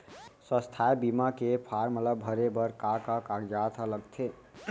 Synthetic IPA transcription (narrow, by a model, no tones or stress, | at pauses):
sə̃st̪ʰaebimakepʰaɾmət̪əbʱəɾebəɾkakakaɡd͡ʒat̪ʰaləɡt̪ʰe